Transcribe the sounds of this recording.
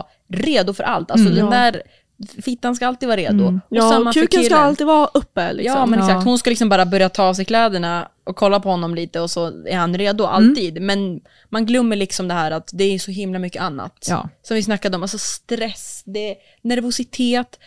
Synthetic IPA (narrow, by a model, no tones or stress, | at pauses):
ɾeːd̪ʊfœɾʔa̰lt̪als̬ɔd̪ɛnd̪æːɾ | fɪt̪ːans̬kaalt̪iːd̪vɑːɾeːd̪ʊɔɛnmaʉkənaalt̪iːd̪vɑʔɵpːəlɪ̰jkɑmɛnɛksak̪hʊnskalɪksɔmbɑːɾabœɾjat̪ʰɑːs̬ɛɪjkʰlɛːd̪əɳaʔɔkʰːɔlːapʰɔhɔnːɔmliːt̪əɔsɔæ̰ɾhanɾeːd̪ʊʔa̰lt̪iːd̪mɛn | manɡlœmːəɭɪksɔmd̪ɛɦæːɾat̪d̪ɛæɾjsɔɦɪmlamʏkːəanːa̰t̪ːsɔmvɪsnakːad̪ɛɔmalsɔst̪ɾɛsd̪ɛ | næɾvʊsɪt̪ʰeːt̪